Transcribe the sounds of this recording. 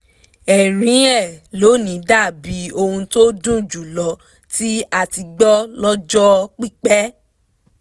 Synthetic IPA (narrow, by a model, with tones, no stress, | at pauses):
ɛ˨ɾ̃ĩ˨˦ɛ˦˨lo˨˦nĩ˨˦da˦˨bi˨˦o˧hũ˧to˦dũ˦d͡ʒu˨lɔ˨˦ | ti˦a˧ti˧ɡ͡bɔ˦lɔ˦d͡ʒɔ˦k͡pi˦˨k͡pɛ˦